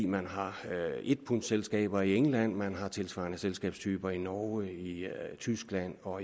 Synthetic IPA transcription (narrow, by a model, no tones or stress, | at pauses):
mænɦɑ̈e̝d̥̚pʰun̥selsɡ̥ɛ̰ːb̥ɐieŋlæn̰mænɦɑ̈t͡sʰe̝lsʋɑ̈næselsɡ̥ɛ̰ːb̥st͡sʰyːb̥ɐinɒʊəit͡sʰysɡ̥læn̰ɒ̽